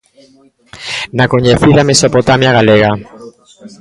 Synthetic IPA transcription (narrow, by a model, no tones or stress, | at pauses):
nakoɲeθiðamesopot̪amjaɣaleɣa